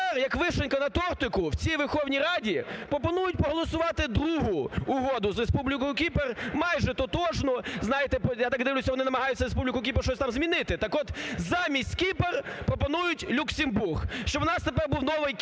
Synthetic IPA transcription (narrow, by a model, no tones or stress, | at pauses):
rjɐkʋɪʃenʲkɐnɐt̪ɔrt̪ɪkʊwt͡sʲijʋerxɔwnʲiɾɑdʲipɾɔpɔnujʊt̚ʲpɔɦɔlˠɔsʊʋɑt̪ɪd̪ɾuɦʊːɦɔd̪ʊzrespublʲɪkɔjʊkʲipermɑjʒɛt̪ɔt̪ɔʒnɔznɑjɪt̪ɛpɔjat̪ɑɡ̚d̪ɪʋlʲʊsʲɐʋɔnɪnɐmɐɦɑjʊt͡sʲːɐɾespublʲɪkʊkʲiperʃt͡ʃɔsʲt̪ɑmzmʲinɪt̪ɪt̪ɐkɔt̪zɑmʲisʲtʲkʲiperpɾɔpɔnujʊtʲlʲuksʲɪmburɣʃt͡ʃɔbwɔnɑst̪epɛrbuwnɔʋɪjk